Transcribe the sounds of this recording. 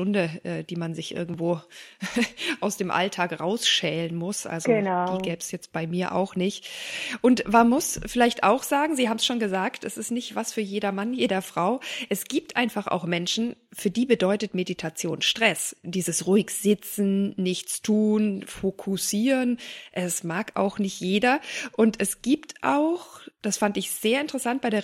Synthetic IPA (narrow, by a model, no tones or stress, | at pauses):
ʊndəʔɛːd̥iːmanzɪçʔɪ̰ɐɡŋ̩tv̥oː | ʔaʊsd̥eːmʔa̰ltʰaːkʁa̰ʊsʃɛːlənmʊsʔa̰lzonadiːɡɛːbsjɛt͡st̚b̥aɪmiːɐʔa̰ʊxnɪçtʔʊntmanmʊsfɪlaɪçtʔa̰ʊxz̥aːɡŋ̩ziːhaːbm̩sʃoːnɡəzaːktɛsɪstnɪçtv̥asfyːɐjeːdɐmanjeːdɐfʁ̥aʊʔɛsɡ̥iːp̚tʔaɪnfaχa̰ʊxmɛnʃn̩fyːɐdiːbədɔʏtətmeditʰat͡sjo̰ːnʃtʁ̥ɛsd̥iːzəsʁuɪçz̥ɪt͡sn̩ːɪçt͡stʰuːnfokʰusiːʁənʔɛsmaːkʔa̰ʊxnɪçtjeːdɐʔʊntɛsɡ̥iːptʰʔa̰ʊxd̥asfantɪçz̥eːɐɪntəʁəsant̚b̥aɪdeː